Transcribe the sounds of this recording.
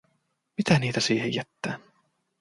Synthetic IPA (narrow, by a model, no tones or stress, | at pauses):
mit̪æniːt̪æsiːhejæt̪ːæːn